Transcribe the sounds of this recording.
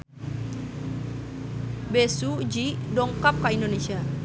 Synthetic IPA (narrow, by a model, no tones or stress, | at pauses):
besud͡ʒidɔŋkap̚kaindonesia